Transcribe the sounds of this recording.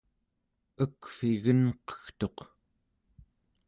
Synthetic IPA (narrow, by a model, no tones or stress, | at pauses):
əkfiɣənqʌ̥xt̪o̞q